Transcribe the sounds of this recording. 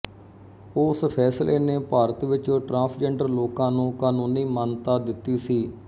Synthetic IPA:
ʊspʰɛːslʔeːneːpaːɾət̪ʋɪt͡ʃoːʈɾãːpʰd͡ʒɛːɳɖəɾloːkãːnũːkãːnũːnĩːmənt̪aːd̪ɪt̪ːiːsiː

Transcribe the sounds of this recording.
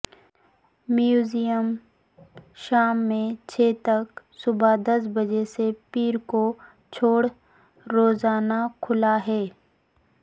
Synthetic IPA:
mjuːzijəm | ʃaːmːẽt͡ʃʰeːt̪ɐk | sʊbad̪ɐs̬bɐd͡ʒesepiːɾko | t͡ʃʰoːɽ | ɾoːzaːnakʰʊlaɦɛː

